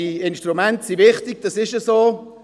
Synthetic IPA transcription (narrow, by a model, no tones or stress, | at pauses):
iɪnʃtɾumɛntsiʋɪχt̪ɪɡ̥̚d̥ɑsɪʃəsoː